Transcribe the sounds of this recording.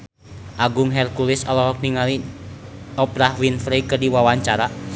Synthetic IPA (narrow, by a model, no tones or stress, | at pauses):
ʔaɡuŋɦɛrkulisɔlɔɦɔk̚niŋali | ɔpɾahwinfɾikərdiwawaɲt͡ʃaɾa